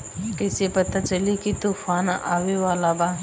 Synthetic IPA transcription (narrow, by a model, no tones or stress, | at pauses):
kɪsepɐt̪at͡ʃəlikit̪uːfaːnʔa̰ːʋeʋaːlabaː